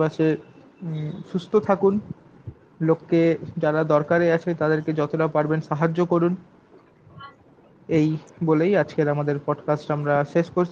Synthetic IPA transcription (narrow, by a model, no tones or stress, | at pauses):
baʃʰe | ʃust̪ʰot̪ʰakun | lokːed͡ʑaɾad̪ɔɾkaɾeat͡ɕʰet̪ad̪eɾked͡ʑɔt̪oɾapaɾbenʃaɦad͡ʑːokoɾun | ejbolejad͡ʑkeɾamad̪eɾpɔɖkasʈamɾaʃeʃkoɾt͡ɕʰ